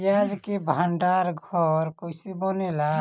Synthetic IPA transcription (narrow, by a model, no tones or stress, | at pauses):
jad͡ʒkebʱaɳɖaɾɡʱɔɾkojsibɔnela